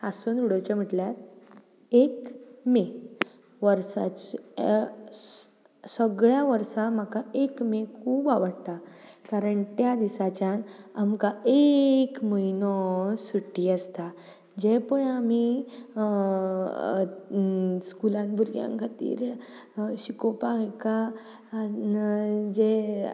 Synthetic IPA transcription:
asunuɽət͡ɕam̤iʈljat̪ | ekme | ʋəɾsa̰t͡ɕ | səɡɭjaʋəɾsam̤akaekmekʰuːbaʋəɽt̪a | kaɾəɳt̪jad̪isat͡ɕjanamkaekməinɔsuʈːiːəst̪a | d͡ʑepəɳam̤i | skulãnbʱuɾɡjã̰ŋkʰat̪ḭːɾ | ɕikɔpakeka | d͡ʑe

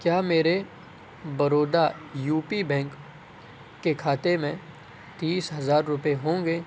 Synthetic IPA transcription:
kjaːmeːɾe | bɐɾoːd̪ajuːpibɛ̃ːŋkː | ekʰaːt̪emẽ | t̪iːsɦɐzaːɾːʊpeɦõːŋɡeː

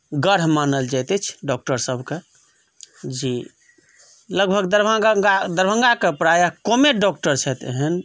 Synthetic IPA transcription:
ɡəɾɦmanəld͡ʒajt̪ɛt͡ʃʰɖɔk̚ʈəɾsəbʱke | d͡ʒi | ləɡbʱəɡd̪əɾbʱaad̪əɾbʱə̃ŋɡakepɾajakomeɖɔk̚ʈəɾt͡ʃʰɛt̪eɦən

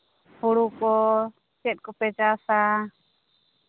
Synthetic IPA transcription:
huɽukɔ | t͡ʃɛt̪̚kɔpɛd͡ʒasa

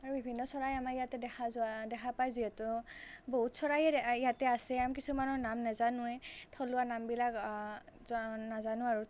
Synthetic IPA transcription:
aɹubʱibʱinːɔsɔɹajamaijatɛdɛxʰazʊadɛkʰapajziɦɛtʊboɦutsɔɹajɛijatɛasɛamkisumanɔnamnɛzanʊɛtʰɔluanambilak | nazanʊaɹu

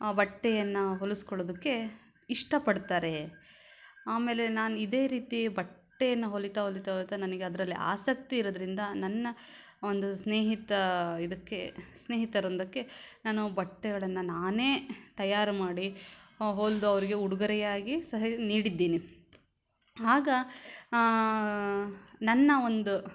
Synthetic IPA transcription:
aːbɐʈːɛjɐnːɐɦoluskɔɭoːd̪ɐkːe̞ | iʂʈɐpɐɽt̪aːɾe̞ | aːme̞ːle̞naːnuid̪e̞ːɾiːt̪ibɐʈːɛjɐnːɐɦolit̪ɐɦolit̪ɐɦolit̪ɐnɐnɐɡeɐd̪ɐɾɐlːiʔa̰ːsɐk̚t̪iːɾoːd̪ɐɾind̪ɐnɐnːɐ | ond̪usneːɦit̪ɐid̪ɐkːe̞sne̞ːɦit̪ɐɾond̪ɐkːe̞naːnubɐʈːɛɡɐɭɐnːɐnaːne̞ːt̪ɐjaːɾɐmaːɽiɦoːld̪uɐʋɐɾiɡe̞uɽuɡɐɾɛjaːɡisɐɦɐniːɽid̪ːeːni | ɦaːɡɐ | nɐnːɐo̞nd̪u

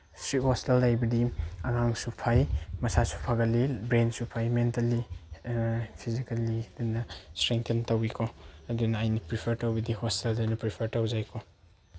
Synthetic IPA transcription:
stɾit̚hostelːajbɐdiɐŋaŋsupʰajmɐsasu̥pʰaɡɐlibɾensupʰajmentɐlːi | pʰizikɐliɐdunɐstɾeŋtʰintɐwikʰoɐdunɐajnipɾipʰɐɾtɐwbɐdihosteldɐnupɾipʰɐɾtɐwd͡ʒajkʰo

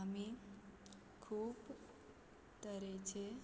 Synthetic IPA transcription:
ami | kʰuːb | t̪əɾet͡ʃʰe

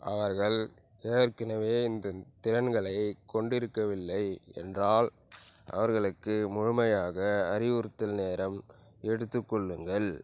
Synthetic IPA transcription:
ʔɐʋɐɾɣɐɭ | eːɾkɪnɐʋeːɪnd̪ɐt̪ɪɾɐnɡɐɭɐɪkɔɳɖɪɾɯkːɐʋɪlːɐɪ | ɛ̰ndraːl | ʔɐ̰ʋɐɾɣɐɭɯkːɯmʊɻʊmɐjaːɣɐːɾɪʊɾɯt̪ːɪlneːɾɐm | ɛɽɯt̪ːɯkːɔɭːɯŋɡɐɭ

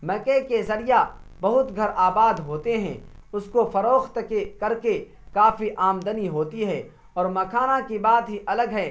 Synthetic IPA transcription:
mɛkekezɐɾijabɐɦʊt̪ɡʱɐɾʔaːbaːd̪ɦoːt̪eɦɛ̰̃ːʊskofɐɾoːxt̪kekɐɾke | kaːfiʔaːmd̪əniɦoːt̪iɦɛː | ɔːɾmɐkʰaːnakibaːt̪ɦiʔɐləɡɦɛː

